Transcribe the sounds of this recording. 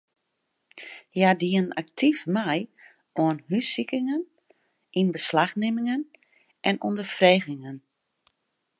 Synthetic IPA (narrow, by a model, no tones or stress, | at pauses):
jadiənnak̚tʰifmɛj | oənɦysikɪŋən | ʔinbəslaxnɪmɪŋən | ʔɛnundəfreːɣɪŋən